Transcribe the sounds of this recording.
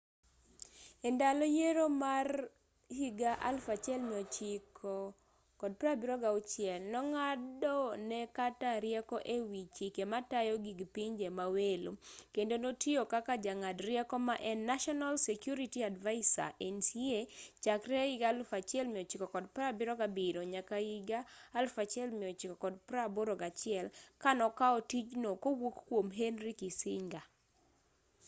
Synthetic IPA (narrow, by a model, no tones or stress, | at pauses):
ɛndalɔjeɾomar | hiɡaʔa̰lfat͡ʃjɛlmiot͡ʃɪk | kɔd̚pɾabiɾɔɡaut͡ʃɪɛlnɔŋadɔnɛkataɾjɛkɔʔewit͡ʃikematajɔɡiɡpiɲd͡ʒemawelṵkendonotiokakad͡ʒaŋadrjɛkɔmaʔɛnːaʃɔnalsekjuɾitiadvaɪsa̰ʔensiet͡ʃakɾɛɪɡalfat͡ʃɪɛlmɪɔt͡ʃɪkɔkɔd̚pɾabɪɾɔɡabɪɾoɲakaiɡaːlfat͡ʃɪɛlmɪɔt͡ʃɪkɔkɔd̚pɾaboɾoɡat͡ʃɪɛlkanɔkaɔtid͡ʒnokowokkwomɦenɾikisɪɲɡa